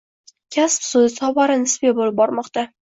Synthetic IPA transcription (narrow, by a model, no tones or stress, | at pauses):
kʲʰaspsʊzɪsɒvaɾɪnɪsbebolɪp̚bɒɾmɒqt̪a